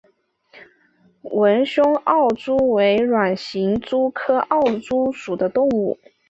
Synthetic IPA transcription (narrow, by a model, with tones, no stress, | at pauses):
wə˧˥nɕʊ˥ŋɑ˥˩ʊt͡su˥we˧˥ɪɻwa˨˩nɕi˧˥ŋt͡su˥kʰɤ˥ʔɑ˥˩ʊʈ͡ʂu˥ʂu˨˩d̪ə˦t̪ʊ˥˧ŋu˥˩